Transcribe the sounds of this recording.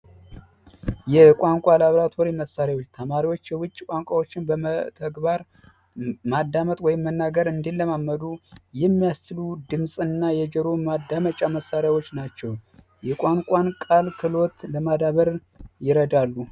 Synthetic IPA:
jɛkʷʼaŋkʷʼalaβɾat̪ʰoɾiməsːaɾjawot͡ʃːt̪ʰəmaɾiwo̞t͡ʃːjɛwʊt͡ʃʼːkʷʼaŋkʷʼawo̞t͡ʃːɪnbəmət̪ʰəɡbaɾ | mad̪amət̪ʼwɔjɪmːənːaɡəɾɨnd̪ilːəmamːəd̪ujɛmːijast͡ʃɨlud̪ɨmsʼɨnːajɛd͡ʒəɾo̞mad̪ːamət͡ʃʼaməsːaɾjawo̞t͡ʃːnat͡ʃːɛw | jɛkʼaŋkʷʼankʼalkʰɨlo̞t̪ləmad̪aβəɾ | jɪɾəd̪alːu

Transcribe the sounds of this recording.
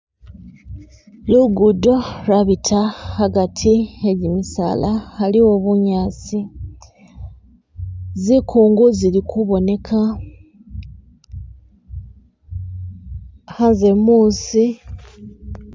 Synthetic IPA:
luɡudo̞ɾaβitʰahaɡatʰieɟimisa̰ːlahaliwo̞βuɲaːt͡si | zikʰuːŋɡuzilikuβo̞ne̞kʰa | hanze̞muːsi

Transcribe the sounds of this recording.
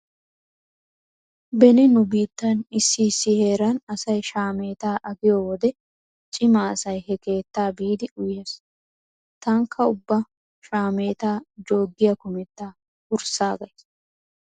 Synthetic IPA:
bɛnɪnʊbiːt̪ːɐnɪsːiːsːɪhe̞ːɾɐnɐsɐjʃaːme̞ːt̪aːʔɐɡɪjowɔd̪ɛ | t͡ʃʼɪmaɐsɐjhɛke̞ːt̪ːaːbiːd̪ɪʔʊjːɐs | t̪ɐŋkʰːɐʊbːɐ | ʃaːme̞ːt̪aːd͡ʒo̞ːɡːɪjɐkʊmɛt̪ːaː | ʊɾsaːɡɐjs

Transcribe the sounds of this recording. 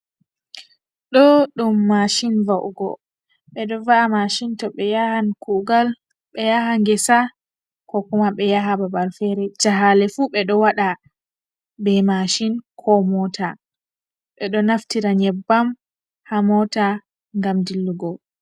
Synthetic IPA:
ɗɔɗumːaʃinvaʔɡɔ̰ | ɓɛɗɔvaʔamaʃintɔɓɛjahankuɡal | ɓɛjahaŋɡɛsa | kɔkumaɓɛjaɦababalfɛɾɛd͡ʒaɦalɛfuɓɛɗɔwaɗa | bɛmaʃinkʰɔmɔtʰa | ɓɛɗɔnaftiɾaɲɛbːam | hamɔta | ŋɡamdilːuɡɔ

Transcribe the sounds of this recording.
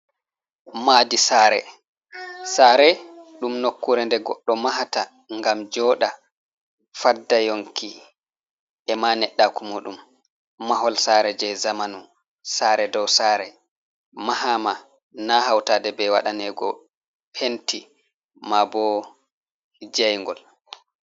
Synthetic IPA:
madisaːɾɛ̰ | saːɾɛɗumnokːuɾɛndɛɡɔ̰ɗːɔmaɦata | ŋɡamd͡ʒɔːɗa | fadajoŋki | ʔɛmanɛɗːakumuɗumː | aɦɔlsaɾɛd͡ʒɛjzamanu | saːɾɛdɔwsaːɾɛ | mahama | naɦawtaːdɛbɛwa̰ɗanɛɡɔ̰ | pʰenti | mabɔ | d͡ʒajŋɡɔ̰l

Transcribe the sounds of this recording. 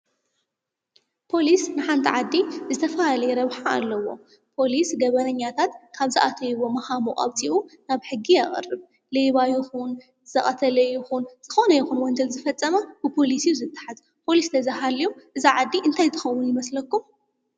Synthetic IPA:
pʰo̞lisnɨħant̪ʰiʕad̪ːizɨt̪ʰɐfahalɐjɛɾɐβħa̰ːlːɐwo̞ | pʰo̞lisɡɐβɐnɐɲːat̪ʰat̪kʰaβzɨʔat̪ʰɐjβo̞mɐxamuʔʼa̰βt̪ʰiʔunaβħɨɡːiaχʼɐ̰rɨβ | lejβajɪxun | z̥ɐχʼɐt̪ʰɐlɐjɪxunz̥ɨxo̞nɐjɛxunwɔɲd͡ʒɐlzɨfɐt͡sʼːɐmɐb̥ɨpʰo̞lisiuzɨt̪ʰʼːḁħaz | pʰo̞list̪ʰɐzaɦalijomʔɨziʕad̪ːiʔɨnt̪ʰajt̪ʰɨ̥xɐwːʊnjɪmɐslɐkːum

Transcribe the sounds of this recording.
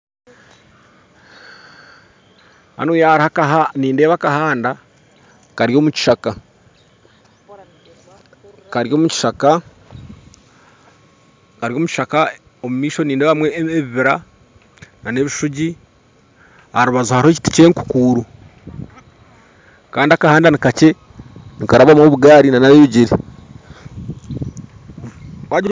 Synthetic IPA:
ha̰nuːjaɾihakaɦaniːndeːβakahaːnda | kaɾjo̞ːmuci̥ʃaka | kaɾjo̞ːmuci̥ʃaka | kaɾjo̞ːmuci̥ʃaka | omumiːʃo̞niːneβamweeβiβiɾa | nane̞βiʃuɟi | haɾuβazuhaɾhoci̥ti̥ceŋku̥kuːɾu | kaːndiakahaːndanikace̞ | nikaɾaβamoβuɡaːɾinanaβeːβiɟiɾi | waɟ

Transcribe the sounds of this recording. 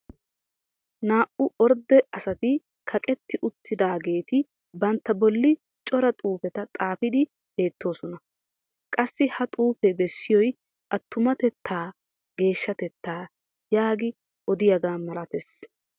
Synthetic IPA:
naːʔʊʔɔɾd̪ɛɐsɐt̪ɪ | kʰɐkʼɛt̪ːɪʔʊt̪ʰːɪd̪aːɡe̞ːt̪ɪ | bɐnt̪ːɐbɔlːɪ | t͡ʃʼɔɾɐt̪ʼuːfɛt̪ɐt̪ʼaːfɪd̪ɪ | b̥e̞ːt̪ːo̞ːsɔnɐ | kʼɐsːɪhɐt̪ʼuːfɛbɛsːɪjɔj | ʔɐt̪ːʊmɐt̪ɛt̪ːaː | ɡe̞ːʃːɐt̪ɛt̪ːaː | jaːɡɪ | ʔɔd̪ɪjɐɡaːmɐlɐt̪ɛs

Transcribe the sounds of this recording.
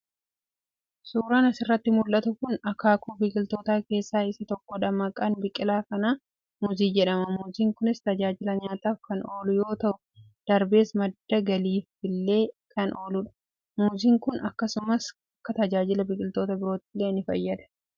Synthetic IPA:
suːɾaːnɐsɪrːɐt̪ːɪmʊlʔɐt̪ʊkʊnɐkaːkuːbɪkʼɪlt̪oːt̪aːke̞ːsːaːɪsɐt̪ɔkːɔᶑɐmɐkʼɐnbɪkʼɪlaːkɐnaː | muziːd͡ʒɛᶑɐmɐmuːziːŋkʊnɪst̪ɐd͡ʒaːd͡ʒɪlɐɲaːt̪aːfkɐno̞ːlʊjo̞ːt̪ɐʔʊ | d̪̥ɐɾbe̞ːsmɐd̪ːɐɡɐliːfbɪlːe̞ːkɐnʔo̞ːlʊᶑɐ̥ | muːziːŋkʊnɐkːɐsʊmɐs | ɐkːɐt̪ɐd͡ʒaːd͡ʒɪlɐbɪkʼɪlt̪o̞ːt̪ɐbɪɾo̞ːt̪ːɪlːe̞ːnɪfɐ̰jːɐd̪ɐ̥

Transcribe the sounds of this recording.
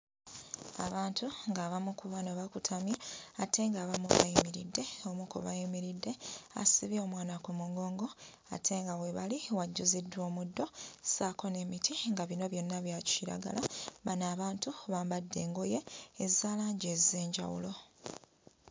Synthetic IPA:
a̰βaːntuŋɡaːβamukuβanoβakutʰamjaatʰe̞ŋɡaːβamuβa̰jimiɾḭdːe̞omukṵβa̰jimiɾidːe̞a̰siβio̞mwaːnakumuŋɡo̞ːŋɡo̞ | a̰tʰe̞ŋɡawe̞βaliwaɟːuzidːwo̞ːmudːo̞saːko̞ne̞mitʰiŋɡaβino̞βjo̞nːaβjacu̥iɾa̰ɡa̰lamanaːβaːntuβaːmbadːe̞ːŋɡoje̞ːzaːlaːɲɟeze̞ːɲɟa̰wṵlo̞

